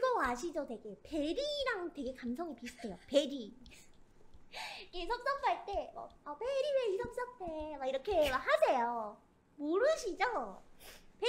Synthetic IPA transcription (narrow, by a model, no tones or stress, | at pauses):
kiɡʌaɕʰid͡ʑʌtwe̞ɡe̞pe̞ɾiɾaŋtwe̞ɡe̞kamsʰʌŋipisʰɯ̥tʰe̞jope̞ɾi | kesʰʌp̚s͈ʌk̚p͈aɭt͈e̞wʌ̰apeɾiweisʌp̚s͈ʌk̚t͈ʰemaiɾʌkʰe̞mahasʰe̞jo | moɾɯɕʰid͡ʑo | pe